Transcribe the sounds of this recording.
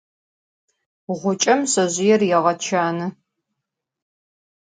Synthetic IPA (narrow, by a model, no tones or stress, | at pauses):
ʁʷʊt͡ʃʼɐmsɐʑɪjɛrjɛʁɐt͡ʃʰaːnɨ